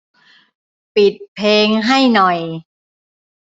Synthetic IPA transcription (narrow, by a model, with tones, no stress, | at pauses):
pi˨˩t̪̚pʰeː˧ŋɦa˥˩jnɔ˨˩j